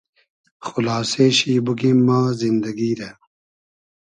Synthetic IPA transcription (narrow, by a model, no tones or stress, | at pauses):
xulaːseːɕiːbuk̬imːãːzind̪ɐɡiːɾe